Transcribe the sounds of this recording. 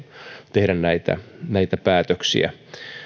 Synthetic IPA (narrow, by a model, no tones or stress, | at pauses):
t̪ehdænnæit̪æ̰næit̪æpæːt̪øksḭæ̰